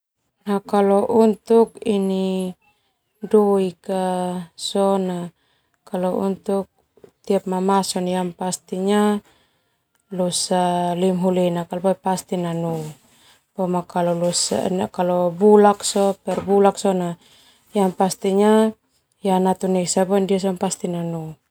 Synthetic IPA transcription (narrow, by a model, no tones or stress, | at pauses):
nakalɔʔunt̪ukini | dɔikasɔna | kalɔṵnt̪uk̚ | t̪iap̚mamasɔnjampast̪iɲa | lusalimɦulɛnakalbapast̪inanu | pɔmakalɔlɔsa̰nkalɔbulak̚sɔpɛrbulaksɔna | jampast̪iɲa | janat̪unɛsabɔndias̬ɔnpast̪inanu